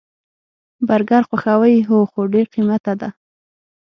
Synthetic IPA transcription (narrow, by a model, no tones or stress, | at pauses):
baɾɡɑɾxwaxawəjɦoxoɖeɾqimat̪ad̪a